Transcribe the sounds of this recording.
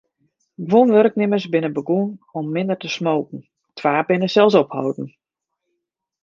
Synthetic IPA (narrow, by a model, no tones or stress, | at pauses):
ɡʋonʋørəknɪməsbɪnəbəɡuənɔmːɪndərtəsmoːkn̩ | tʰʋaːbɪnəsɛlˠsɔphɔ̰wdn̩